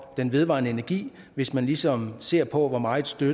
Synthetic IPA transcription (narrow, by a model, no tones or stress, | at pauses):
d̥enʋe̝ðˠʋɑ̰̈ːnəe̝næɐɡ̥ḭː | ʋe̝smænlisɒ̽mse̝ɐ̰pʰɒ̽ʋɒmɑ̈ːed̥sd̥ø